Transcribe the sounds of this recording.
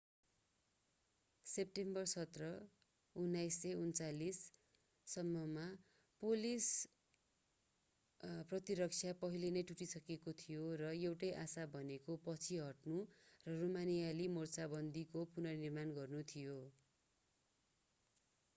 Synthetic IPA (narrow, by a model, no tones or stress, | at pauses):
ep̚ʈembʌrsʌt̪rʌ | unːajseunt͡salisː | ʌmːʌma | polis | prʌt̪iɾʌk̚t͡sʰjapʌɦilenʌjʈuʈisʌkekot̪ʰijorʌewʈʌjʔasabʱʌnekopʌt͡sʰiɦʌʈnurʌromanijalimort͡sabʌnd̪ʱikopunʌnirmanɡʌrnut̪ʰijo